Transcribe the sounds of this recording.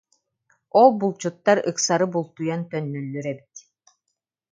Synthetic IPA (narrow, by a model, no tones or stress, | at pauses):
ɔlˠbulˠt͡ɕut̪ːaɾɯksaɾɯbulˠt̪ujant̪œnːœlːyɾɛbit̪